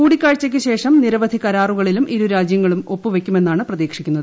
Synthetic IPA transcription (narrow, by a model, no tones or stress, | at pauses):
kuːɽikʲːaːɻt͡ɕːɐk̬ʲːɨɕe̞ːʂɐmniɾɐʋɐd̪ʱikɐɾaːruɣɐɭilumʔiɾuɾaːd͡ʑjɐŋːɐɭumo̞pːɨʋe̞kʲːume̞nːaːɳɨprɐðiːkʂikʲːunːɐðɨ